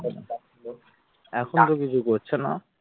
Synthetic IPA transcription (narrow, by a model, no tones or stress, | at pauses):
a | lo | ɛkʰont̪okit͡ɕʰukoɾt͡ɕʰena̰